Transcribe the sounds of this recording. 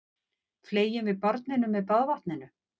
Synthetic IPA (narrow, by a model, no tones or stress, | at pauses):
fleːjɪnvɪðpɔɾt̪nɪnʏmːɛðpaðvaht̪nɪnʏ